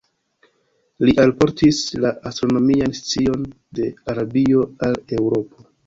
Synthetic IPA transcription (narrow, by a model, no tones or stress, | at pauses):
liʔalpo̞ɾtislaʔastɾo̞no̞mianst͡sio̞n | de̞aɾabio̞ale̞wɾo̞po̞